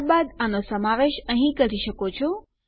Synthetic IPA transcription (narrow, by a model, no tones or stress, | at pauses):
ɾbad̪anosəmaʋeʃəɦĩkəɾiʃəkot͡ʃʰo